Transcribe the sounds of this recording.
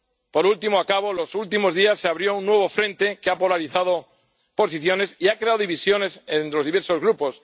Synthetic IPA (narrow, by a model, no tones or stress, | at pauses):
po̞ɾult̪imoakaβ̞o̞lo̞sult̪imo̞zðiasːeaβɾjo̞unːwe̞β̞o̞fɾẽ̞nt̪e̞keapo̞laɾiθað̞o̞ | po̞siθjo̞ne̞siakɾe̞awðiβisjo̞ne̞sent̪elo̞zðiβeɾso̞zɣɾupo̞s